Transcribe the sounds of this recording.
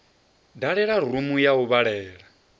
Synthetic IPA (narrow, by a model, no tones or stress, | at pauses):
daɺɛɺar̤umujauβaɺɛːɺa